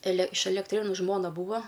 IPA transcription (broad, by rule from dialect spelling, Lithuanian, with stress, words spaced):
ɛlʲɛ ɪʃ ɛlʲɛkˈtʲrʲeːnʊ ˈʒmoːnɐ ˈbuːʋɐ